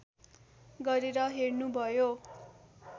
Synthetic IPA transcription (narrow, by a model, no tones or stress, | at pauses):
ɡʌɾeɾʌɦernubʱʌjo